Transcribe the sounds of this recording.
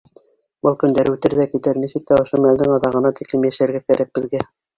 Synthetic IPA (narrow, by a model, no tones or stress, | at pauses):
bɤlˠkɵ̆nd̪æɾʉt̪ɘɾðækit̪ɘɾnisɘk̚t̪æŏʃomæld̪ɘŋɑðɑʁɤ̆nɑt̪iklɘmjæʃæɾɡækæɾæk̚b̥ɘ̆ðɡæ